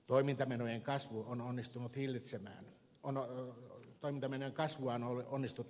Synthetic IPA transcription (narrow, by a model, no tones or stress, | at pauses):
t̪oimint̪ɑmenojeŋkɑsʋuononːist̪unut̪hilːit̪semæ̰ːn | on | t̪oimint̪ɑmenøjeŋkɑsʋuɑnolonːist̪ut̪